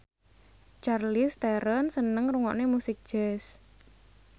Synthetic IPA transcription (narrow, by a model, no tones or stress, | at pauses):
t͡ʃarlist̪ɛɾənsənəŋruŋɔ̰ʔnemusɪk̚d̥ʒ̥ɛs